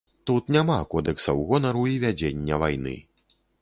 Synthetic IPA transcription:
t̪ut̪nʲamakɔd̪ɛksɐwɣɔnɐɾuivʲad͡zʲenʲːɐvajnɨ̰

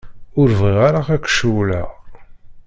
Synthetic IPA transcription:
ʊɾviʁaɾaʁækʷːʃuwlæ

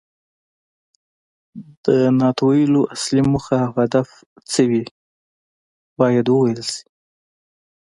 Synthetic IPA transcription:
d̪̥ənɑt̪oiloʔaslimuxahad̪af | t͡səwi | bɑjad̪wəwajəlsi̥

